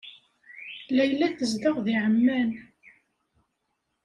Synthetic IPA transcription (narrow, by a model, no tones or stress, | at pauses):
læjlːæθəzd̪əʁðiʕəmːæn